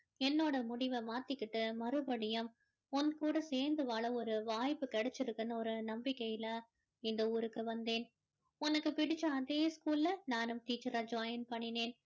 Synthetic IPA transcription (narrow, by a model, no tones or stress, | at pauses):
ɛnːoːɽɐmʊɽɪʋɐmaːt̪ːɪkːɪʈːɯmɐɾɯbɐɽɪjɐm | ɔnkuːɽɐseːɾnd̪ɯʋaːɭɐɔɾɯʋaːjpːɯkɛɽɛt͡ʃːɪɾɯkːɯnɐɔɾɯnɐmbɪkːɐjɪlɐ | ɪnd̪ɐuːɾɯkːɯʋɐnd̪eːn | ɔnɐkːɯpɪɽɪt͡ʃːɐɐðeːskuːllɐnaːnɯmʈiːt͡ʃːɐɾaːd͡ʒaːjɐnpɐɳːɪneːn